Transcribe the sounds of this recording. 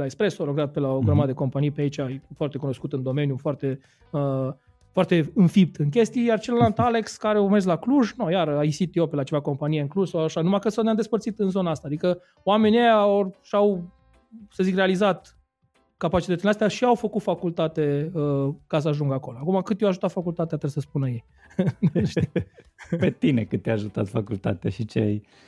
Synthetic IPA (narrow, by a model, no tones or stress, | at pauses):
laekspɾe̞saɾoɡɾat̪̚pelaoɡɾəmad̪d̪eko̞mpanijpeait͡ʃafoart̪e̞kuno̞skut̪ɨnd̪o̞me̞njufoart̪e̞ | ə | foart̪e̞ɨnfip̚t̪ɨŋk̬ʲe̞st̪ijjart͡ʃelnalt̪ale̞kskaɾeurmezlakluʒnojaɾaisit̪iopelat͡ʃevako̞mpanijeɨŋkluʒsawaʃanumakəsoejamd̪e̞spəɾt̪sit̪ɨnzo̞naast̪aːd̪ikə | oame̞niejaorʃaw | səzikrealizat̪ | kapat͡ʃit̪ət̪sileast̪ejaʃiawfəkut̪fakult̪at̪eəkas̬əaʒuŋɡako̞loakumakɨt̪jewaʒut̪at̪fakult̪at̪eat̪ɾeesəspunəjej | nʃt̪i | pet̪inekɨt̪t̪ːejaʒut̪at̪fakult̪a̰t̪ea̰ʃit͡ʃea̰j